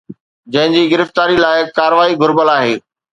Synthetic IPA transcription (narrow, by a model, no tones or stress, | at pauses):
d͡ʑɐ̃ɦɪ̃ɲd͡ʑiːɡɪɾəft̪aːɾilaːɪkaːɾəʋaːiɡʱʊɾbəlaːɦeː